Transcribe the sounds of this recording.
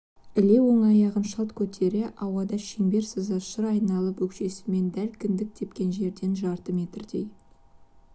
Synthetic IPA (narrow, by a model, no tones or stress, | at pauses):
ɪle̞wo̞ɴɑjɑʁənʃɑlˠt̪kʲʰɵt̪ʰe̞ɾɪʔɑwɑd̪ɑʃeŋbe̞ɾsəzɑʃəɾɑjnɑlˠəpwɵkʃe̞sɪ̥me̞nd̪ælkʲʰɪnd̪ɪk̚t̪ʰe̞pkʲe̞nʒe̞ɾd̪e̞nʒɑɾt̪əme̞t̪ɪɾd̪e̞̰j